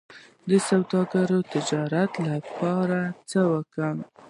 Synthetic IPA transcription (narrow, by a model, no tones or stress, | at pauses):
d̪əsawd̪ɑɡaɾot̪ɪd͡ʒɑɾat̪lapɑɾat͡səwəkə